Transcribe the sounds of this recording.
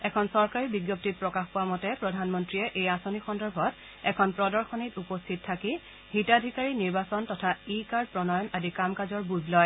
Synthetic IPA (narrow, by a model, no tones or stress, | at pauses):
ɛkʰɔnsɔɹkaɹibiɡjɔp̚tit̚pɹɔkaxpowamɔtɛpɹɔdʱanmɔntɹiɛʔejasonixɔndɔɹbʱɔt | ɛkʰɔnpɹɔdɔɹxɔnitupɔstʰittʰːaki | hitadʱikaɹiniɹbasɔntɔtʰaikaɹd̚pɹɔnɔjɔnadikamkazɔɹbuzlɔj